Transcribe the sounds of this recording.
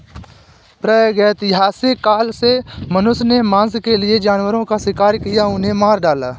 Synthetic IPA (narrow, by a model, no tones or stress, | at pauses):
pɾəɡɛːt̪ɪɦaːsɪkːaːlsemənʊsnemãːskelɪed͡ʒaːnwəɾõkasɪkaːɾkɪjaʊnẽmaːɾɖaːlaː